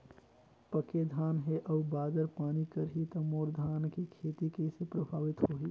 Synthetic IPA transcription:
pɐked̪ʱaːnɦeʔɐːbaːd̪əɾpaːnikɐɾɦit̪ɐmoːɾd̪ʱaːnkikʰeːt̪ikesepɾɐbʱaːʋɪt̪hoːiː

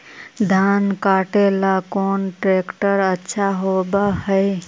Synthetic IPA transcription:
d̪ʱankaʈelakonʈɾekʈəɾətːʃʰaɦobəhəj

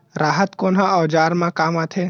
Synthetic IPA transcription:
ɾaːɦət̪koːnɦəɔːd͡ʒaːɾmãkaːmat̪ʰeː

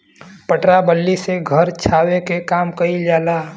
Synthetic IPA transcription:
pəʈɾabəlːiseɡʱəɾt͡ʃʰaːwekekaːmkəid͡ʒaːla

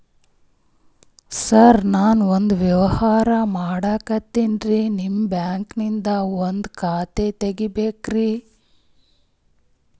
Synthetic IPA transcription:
sɐɾnaːnond̪ʋjɐʋɐhaːɾɐmaːɽaːkɐt̪ːinɾinimːbjaːŋknind̪ɐond̪kʰaːt̪et̪eɡibeːkɾi

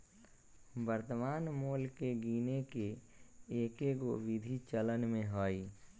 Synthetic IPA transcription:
bəɾt̪əmaːnmoːlkeɡiːneke | eːkeɡoʋɪd̪ʱit͡ʃələnmẽɦoːiː

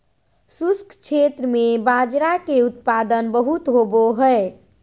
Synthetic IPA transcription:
suskʰt͡ʃʰet̪ɾəmebad͡ʒɾakeut̪̚pad̪ənbəɦut̪ɦoboɦəe

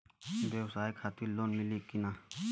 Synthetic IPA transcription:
b̪eːwsaːikʰaːt̪iloːnmɪliːkinaː

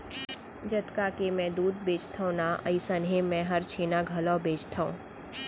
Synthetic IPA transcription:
d͡ʒɐt̪kakemɛ̃d̪uːd̪̚beːt͡ʃt̪ʰaõnaʔəɪsənɦẽmɛ̃ɦɐɾt͡ʃʰeːnaɡʱɐəlaːbeːt͡ʃt̪ʰaṵ̃ː

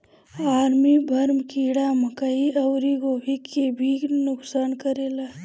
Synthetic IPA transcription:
aːɾmibʱəɾmkiɽaməkəiʔəwɾiɡobʱikːebʱinʊksaːnkəɾeːla

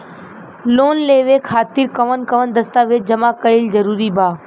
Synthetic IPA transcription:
loːnleːʋeːkʰaːt̪ɪɾkəʋənkəʋənd̪əst̪aːʋeːd͡ʒəmaːkəɪlzəɾuːɾiːbʱaː

